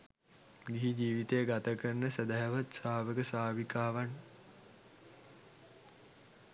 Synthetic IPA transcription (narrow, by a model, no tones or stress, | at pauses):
ɡiɦid͡ʒiːʋit̪ejəɡat̪əkərnəsəd̪aɦaʋat̪saːʋəɡəsaːʋikaːʋan